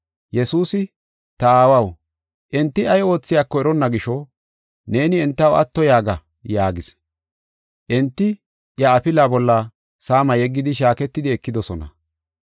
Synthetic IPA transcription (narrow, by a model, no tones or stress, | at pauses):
jɛsuːsɪ | t̪ɐaːwɐw | ʔɛnt̪ːɪɐjo̞ːt͡sːɪjakːɔɛɾɔnːɐɡɪʃɔ | ne̞ːnɪɛnt̪ːɐwɐ̰t̪ːɔjaːɡɐ | jaːɡɪs | ʔɛnt̪ːɪ | jɐɐpɪlabɔlːɐ | saːmɐjɛɡːɪd̪ɪʃ̬aːkɛt̪ːɪd̪ɪɛkːɪd̪ɔsɔnɐ̰